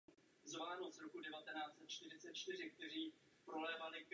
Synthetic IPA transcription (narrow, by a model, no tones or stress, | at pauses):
zvaːnoz̥ɾokudɛvat̪ɛnaːt͡sɛt̪̚t͡ʃt̪ɪrɪt͡sɛt̪̚t͡ʃt̪ɪr̝ɪk̚t̪ɛr̝iː | pɾolɛːvalɪk